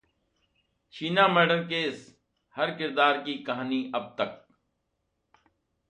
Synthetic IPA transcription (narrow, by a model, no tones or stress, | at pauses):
t͡ʃiːnaːməːɖəɾkeːs | hɐɾkɪɾd̪aːɾkikɐɦaːniːɐb̚t̪ɐk̚